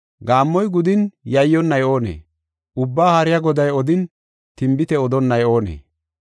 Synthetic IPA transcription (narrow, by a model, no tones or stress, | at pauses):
ɡaːmːɔjɡʊd̪ɪnjɐjːɔnːɐjo̞ːnḛː | ʔʊbːaːhɐɾɪjaɡɔd̪ɐjɔd̪ɪn | t̪ɪmbɪt̪ɛɔd̪ɔnːɐjo̞ːnḛː